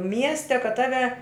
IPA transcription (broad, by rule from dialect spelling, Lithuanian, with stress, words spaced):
ˈmʲiɛsʲtʲɛ kɐt ˈtɑːʋʲɛ